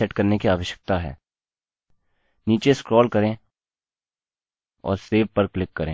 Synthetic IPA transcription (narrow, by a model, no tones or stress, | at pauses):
ɛʈkɐɾnekiaːʋəʃjə̥k̚t̪aɦɛ̰ː | niːt͡ʃeskɾɔːlkɐɾẽː | ɔ̰ːɾseːʋpəɾklɪkːɐɾḛ̃ː